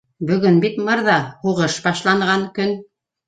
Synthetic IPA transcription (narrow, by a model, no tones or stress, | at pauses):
bɵ̆ɡɵnbit̪mɤɾðɑhuʁɤʃbɑʃlˠɑɴʁɑŋkɵn